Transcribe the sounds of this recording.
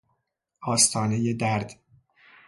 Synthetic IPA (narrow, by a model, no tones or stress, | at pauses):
ʔɒːst̪ʰɒːnejed̪æɾd̪̥